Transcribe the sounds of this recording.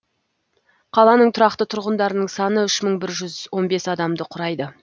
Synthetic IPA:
qʰɑlˠɑnəɴt̪ʰʊɾɑqt̪ət̪ʰʊɾʁənd̪ɑɾənəɴsɑnəʏʃməɴbɪɾʒʏzwo̞nbe̞sɑd̪ɑmd̪əqʰʊɾɑjd̪ə

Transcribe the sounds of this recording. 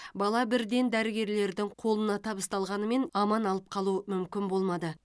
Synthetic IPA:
bɑlˠɑbɪɾd̪e̞nd̪æɾɪɡʲe̞ɾle̞ɾd̪ɪŋqʰo̞lˠənɑt̪ʰɑbəst̪ɑlˠʁɑnəme̞nɑmɑnɑlˠəp̚qʰɑlˠuəmʏmkʲɪnbo̞lˠmɑd̪ə

